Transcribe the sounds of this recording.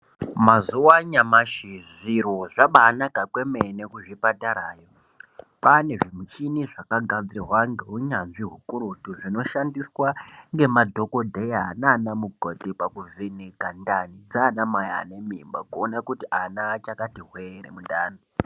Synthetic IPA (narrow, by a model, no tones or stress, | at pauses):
mazuwaɲamaʃiʐiɾoʐaɓaːnakakwemenekuʐipataɾaːjo | pane̞ʐimit͡ʃiniʐakaɡʱad͡zrirwaŋɡeɦuɲanʐiɦukuɾutuʐino̞ʃandiswaŋɡe̞madʱo̞ko̞dʱejaananamuɡʱotepakuvinekandanid͡zaːnamaja̰ːnemimbakuonakutiʔanat͡ʃakatiɦweɾḛmundaːno